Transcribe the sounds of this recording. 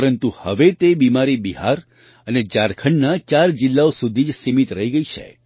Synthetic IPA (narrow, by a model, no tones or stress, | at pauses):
əɾənt̪uhə̰ʋet̪ebimaɾibiɦa̰ɾ | əned͡ʒaɾkʰəɳnat͡ʃaɾd͡ʒɪlːaosud̪ʱid͡ʒsimit̪ɾəɦiɡəit͡ʃʰḛ